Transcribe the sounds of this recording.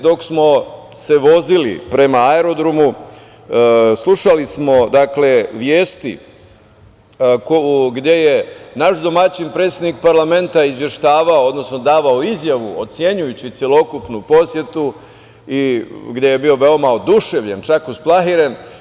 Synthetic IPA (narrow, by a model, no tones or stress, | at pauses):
d̪o̞ksmo̞ | se̞ʋo̞zilḭpɾe̞maaeɾo̞d̪ɾomu | slˠuʃalismo̞d̪akle̞ʋjeːst̪ḭ | kouɡd̪je̞je̞naʃd̪o̞mat͡ɕinpɾet̪sjed̪nik̚paɾlˠame̞nt̪aizʋje̞ʃt̪aːʋaood̪no̞sno̞d̪aːʋaoizjaʋuot̪sje̞ɲujut͡ɕit̪sje̞lo̞kupnupo̞sje̞t̪u | iɡd̪je̞jebio̞ʋe̞omao̞d̪uʃe̞ʋʎent͡ʃakusplˠaɦiɾen